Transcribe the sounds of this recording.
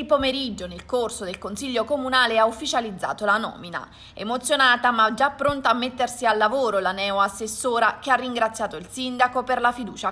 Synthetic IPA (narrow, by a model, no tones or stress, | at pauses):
ipomeɾid͡ʒːonelkorsod̪elkonsiʎːokomunaːleaufːit͡ʃalid̪zːa̰ːt̪olanɔ̰ːmina̰ | ḛmot̪sːjonaːt̪amad͡ʒapːɾont̪aːmːet̪ːersialːavoːɾolanɛːoasːesːoːɾak̟earːiŋɡɾat̪sːjaːt̪oilsind̪akoperlafid̪uːt͡ʃa